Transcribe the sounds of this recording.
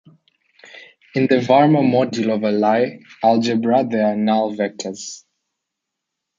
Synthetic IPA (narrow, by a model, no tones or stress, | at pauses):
ɪ̃nðəvaɹməmɔdulɔvəlaɪald͡ʒəbɹad̪əanalvɛk̚tʰəz̥